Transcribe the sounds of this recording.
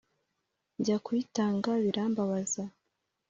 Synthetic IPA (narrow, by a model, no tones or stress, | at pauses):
ɲɟakwitaːŋɡaβiɾaːmbaβaza